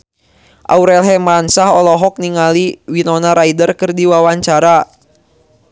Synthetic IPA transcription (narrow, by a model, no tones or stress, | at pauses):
ʔa̰uɾɛlɦɛmɾansaɦɔlɔɦɔk̚niŋaliwinɔnaɾaidərkɨrdiwawaɲt͡ʃaɾa